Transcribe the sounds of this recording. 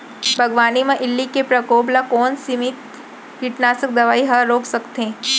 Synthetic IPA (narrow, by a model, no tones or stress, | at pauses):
bʱɐɡʋaːnimẽʔɪlːikepɾɐkoːblakɔːnsimɪt̪ | kiʈnaːsək̚d̪ɐʋaːiɦɐɾoːksɐkt̪ẽː